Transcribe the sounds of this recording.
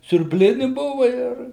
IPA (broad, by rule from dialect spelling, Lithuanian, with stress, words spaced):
sʲʊrʲbʲˈlʲɪnʲɪ ˈbʊʋɐ ˈɪr